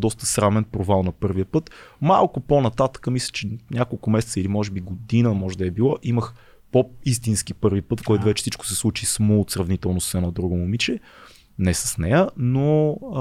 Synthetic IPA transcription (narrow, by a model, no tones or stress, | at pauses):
d̪ɔst̪ə̥sɾavnɛnpɾovalˠnɐpɤɾviəpɤt̪ma̰lˠkʊponɐt̪at̪ə̥kəmislʲə̥t͡ʃɛnʲʔakolˠkʊmɛsɛ̥t̪səilimɔʒɛbiɡod̪inəmɔʒɛd̪ɐɛbilˠɔʔiməx | pois̬t̪insk̟ipɤɾvipɤt̪fkɔjt̪ʊvɛt͡ʃɛ̥sit͡ʃkʊ̥sɛslˠut͡ʃismot̪sɾɐvnit̪ɛlˠnʊssɛnɔd̪ɾuɡʊmomit͡ʃɛ | nɛsə̥snɛjəno